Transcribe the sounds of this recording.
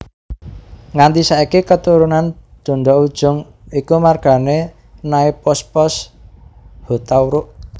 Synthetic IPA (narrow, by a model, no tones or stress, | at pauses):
ŋand̪isaikekət̪uɾunand̪̥ɔ̤nd̪ɔʔud̥ʒ̥ʊ̤ŋ | ikumarɡ̥a̤ne | naipɔspɔs | hot̪auɾʊʔ